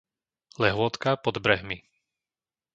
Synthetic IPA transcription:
lɛɦʊɔt̪kapɔd̪bɾɛɦmi

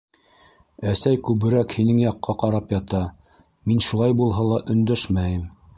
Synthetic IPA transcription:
æsæjkʉβɘ̆ɾækhinɘŋjɑqːɑqɑɾɑpjɑt̪ɑ | minʃulˠɑjbulˠɦɑlˠɑʔɵ̆nd̪æʃmæjɘm

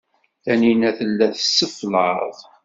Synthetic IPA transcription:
θæninæθəlːæθəsːəfləðˤ

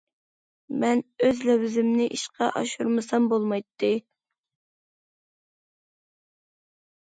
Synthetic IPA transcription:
mɛnøzlɛwɪzɪmnɪʔiʃqɑʔɑ̰ʃuɾmɨsɑmbolˠmɑjt̪ʰːɨ

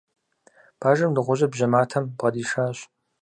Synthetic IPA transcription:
b̥aːʒɐmdɨʁʷʊʑʼɐbʑɐmaːtʰɐmbʁɐdiːʃaːɕ

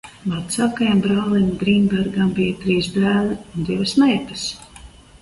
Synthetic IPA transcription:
mat̪saːkajambɾaːlˠimd̪ɾiːmbaɾɡambijat̪ɾiːzd̪æːlˠiund̪ʲivɐsnɛjt̪as

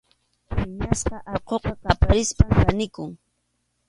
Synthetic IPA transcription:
pɪɲasqɑʔɑɾqoqɑqapaɾɪspapanɪkʊŋ

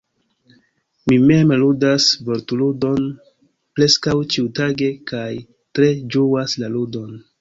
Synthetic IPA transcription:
mime̞mludasvo̞ɾtuludo̞n | pɾe̞skawt͡ʃiutaɡe̞kaj | tɾe̞d͡ʒuwaslaludo̞n

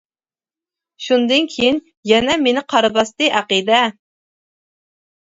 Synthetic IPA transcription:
ʃund̪ɨnkʲʰejin | jɛnɛmenɪqʰɑɾɨbɑst̪ɨʔæqid̪ɛ

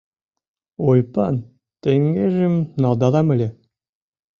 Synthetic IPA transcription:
ojpɑn | t̪eŋɡeʒimnɑlˠd̪ɑðɑmɘ̆lʲe

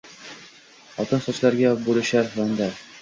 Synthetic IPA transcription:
ɒt̪ɤnsɒt͡ʃlaɾɡʲabolɪʃaɾand̪a

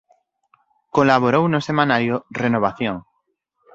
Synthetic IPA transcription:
kolaβ̞oɾownosemãnaɾjorenoβ̞aθjoŋ

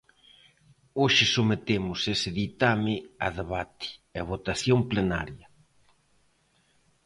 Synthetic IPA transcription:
oʃɪsumet̪emʊsesɪðit̪amɪa̰ðeβat̪ɪ̥aβ̞ot̪aθjomplena̰ɾjɐ

